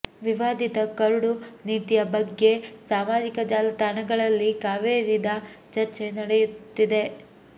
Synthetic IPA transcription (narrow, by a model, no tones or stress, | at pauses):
ʋiʋaːd̪ʱit̪ɐkɐɾuɽuniːt̪ijɐbɐɡːe̞saːmaːd͡ʒikɐd͡ʒaːlɐt̪anɐɡɐɭɐlːikaːʋeːɾid̪ɐt͡ʃɐɾt͡ʃe̞nɐɽejut̪ːid̪e̞